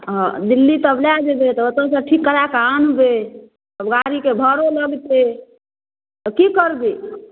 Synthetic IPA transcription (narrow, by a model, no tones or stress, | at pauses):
d̪ilːit̪əbljad͡ʒebet̪ɔət̪əsə̃ʈʰikːəɾakanbe | t̪əbɡaɾikebʱəɾoləɡt̪e | t̪ɔkikəɾbi